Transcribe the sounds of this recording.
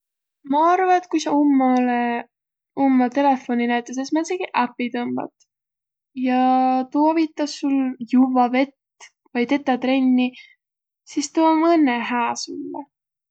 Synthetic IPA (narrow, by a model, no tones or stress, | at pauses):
mɑɑrvɑet̪̚kujsɑumːɑle | omːɑt̪e̞lefo̞ninæjt̪ˑːes̬esmɑseɡ̥iʔæpːit̪ɤmb̥ɑ̰t̪ | jɑt̪uɑvit̪ˑːɑsːuljuvɑve̞t̪ː | vɑjt̪e̞t̪ˑːɑt̪ɾe̞nʲːi | sist̪uomɤnːeɦæːsumːḛ